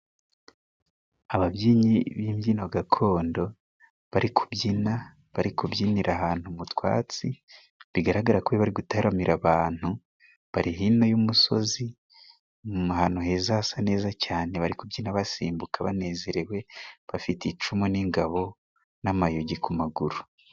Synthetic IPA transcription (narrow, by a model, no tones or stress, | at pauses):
aβabɟiːɲiβiːmjiːnoɡakʰo̞ːndo̞ | βaɾikʰu̥bɟina | βaɾikubɟiniɾʔaɦaːn̥humutwa̰ːt͡si | βiɡaɾaɡaɾakuβeβaɾiɡutaɾamiɾaβaːn̥hu | βaɾiɦino̞jumuso̞̰zi | uɦaːnhuɦe̞ːzasane̞ːzacaːne̞βaɾikubɟinaβasiːmbukʰaβa̰ne̞ːze̞ɾewe̞βafitit͡ʃumoniŋɡaβo̞ | namajoɟikumaɡuɾu